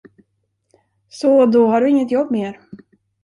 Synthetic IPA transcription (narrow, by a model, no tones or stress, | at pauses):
sɔd̪ɔɦaɖɵɪŋːət̪jɔbːmeːɾ